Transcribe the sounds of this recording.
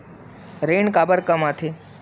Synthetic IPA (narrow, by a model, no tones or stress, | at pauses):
ɾeːɳkaːbəɾkəmat̪ʰe